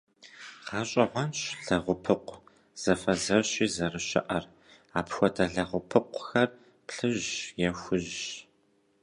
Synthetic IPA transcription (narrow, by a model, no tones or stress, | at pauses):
qɑːɕʼɐʕʷɔnɕɮ̥ɐʁʷʊpʰɨqʷ | z̥ɐfɐzɐrɕiːzɐrɨɕɪ̰ʔɐr | aːpxʷɔtʰɐɮɐʁʷʊpʰɨqʷxɐr | pɬɨʒjɛxʷʊʑɕ